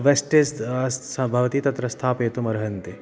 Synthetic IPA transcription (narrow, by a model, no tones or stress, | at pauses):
ʋesʈesɐsɐ̃bʱɐʋt̪it̪ɐt̪ɾɐst̪ʰaːpeːt̪umɐɾɦɐnt̪e